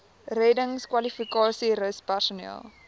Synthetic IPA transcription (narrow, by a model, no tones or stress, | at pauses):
rɛdəŋskwɐlifikɑːsiɾəwspærsunɛ̰lˠ